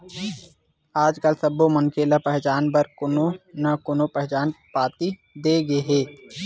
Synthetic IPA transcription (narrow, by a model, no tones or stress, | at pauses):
aːd͡ʒkəlsəboməŋkʰeːlapɛɦt͡ʃaːnbəɾkʊnonɐkonopɛɦt͡ʃaːnpaːt̪i | d̪eːɡeɦɛː